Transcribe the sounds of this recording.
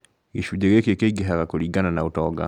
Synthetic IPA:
iʃuɟɛɣekekeiɡeɦaɣakoliɡananautɔɡa̰

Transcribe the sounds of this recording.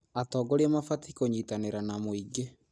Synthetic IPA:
atɔːɡoɾɛmafatikoɲitaneɾanamoiɡe

